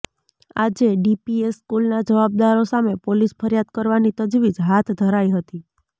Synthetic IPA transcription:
ad͡ʒeɖipieskulnad͡ʒəʋab̚d̪aɾosamepolispʰəɾjad̪̚kəɾʋanit̪əd͡ʒʋid͡ʒɦat̪ʰd̪ʱəɾaiɦət̪i

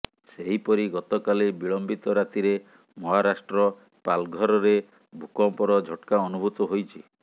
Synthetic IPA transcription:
seɦipɔɾiɡɔt̪ɔkalibiɭɔmbit̪ɔɾat̪iɾe | mɔɦaɾasʈɾɔ | palɡʱɔɾɔɾe | bʱukɔmpɔɾɔd͡ʒʱɔʈkaɔnubʱut̪ɔɦojt͡ʃʰi

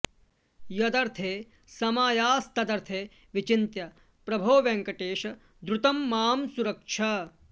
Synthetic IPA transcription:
jɐd̪ɐɾt̪ʰeː | sɐmaːjaːst̪ɐd̪ɐɾt̪ʰeː | ʋit͡ʃint̪jɐ | pɾɐbʱoːʋɐŋkɐʈeːʃɐ | d̪ɾʊt̪ɐmːaːmsuɾɐkʂʰɐ

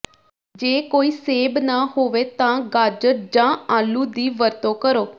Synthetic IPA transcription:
d͡ʒeːkoːiːseːbnaːhoːʋeːt̪ãːɡaːd͡ʒəʈ̚d͡ʒãːaːluːd̪iːʋəɾt̪õːkəɾoː

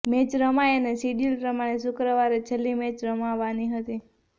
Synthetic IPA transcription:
met͡ʃɾəmajenesiɖilpɾəmaɽ̃esʊkɾəʋaɾet͡ʃʰəlːimẽt͡ʃɾəmaʋaniɦət̪i

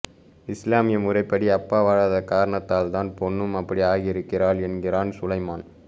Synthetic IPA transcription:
ɪslaːmɪjɐmʊrɐɪpːɐɽiɐpːaːʋaːɻaːðɐkaːɾɐɳɐt̪ːaːlt̪aːnpɔnːɯmɐpːɐɽiaːɣiɪɾɯkːɪraːɭɛnɡɪraːnsʊlɐɪmaːn

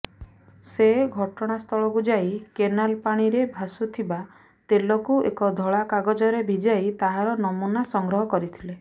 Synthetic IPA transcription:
seɡʱɔʈɔɽ̃ast̪ʰɔɭɔkud͡ʒajkenalpaɽ̃iɾebʱasut̪ʰiba | t̪elɔkuʔḛkɔd̪ʱɔɭakaɡɔd͡ʒɔɾebʱid͡ʒajt̪aɦaɾɔnɔmunasɔŋɡɾɔɦɔkɔɾit̪ʰile

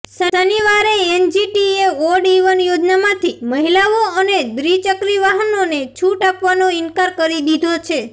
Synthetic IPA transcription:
səəniʋaɾeːnd͡ʒiʈieʋoɖiʋənjod͡ʒnamãt̪ʰiməɦilaʋoəneb̪ɾit͡ʃəkɾiʋaɦənonet͡ʃʰuʈapʋanoɪnkaɾkəɾid̪id̪ʱot͡ʃʰe

